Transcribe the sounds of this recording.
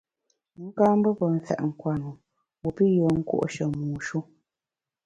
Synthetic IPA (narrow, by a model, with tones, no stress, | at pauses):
ŋ̩˦kã˦m˦bə˦pə˨n̩˨fɛ̰˨ʔŋ̩˨kwa˨nu˨ | wu˨pi˦jɔ˨ŋ̩˦ko̰˦ʔʃə˨muː˨ʃu˦